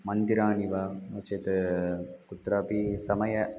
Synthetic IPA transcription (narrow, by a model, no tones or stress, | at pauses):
mɐnd̪iɾaːniʋaːnoːt͡ʃeːt̪ɨkut̪ɾaːpisɐmɐjɐ